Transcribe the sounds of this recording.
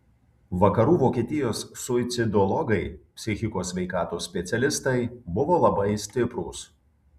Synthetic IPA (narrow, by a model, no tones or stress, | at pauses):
ʋɐkɐɾuːʋoːkʲiːt̪ʲɪjoːsːʊɪt̪sʲɪd̪ɔlˠɔɡɐɪpʲsʲɪxʲɪkoːsʲʋʲɛɪkɑːt̪uːsʲpʲɛt̪sʲɛlʲɪst̪ɐɪbʊʋoːlˠɐbɐɪsʲt̪ʲɪpɾuːs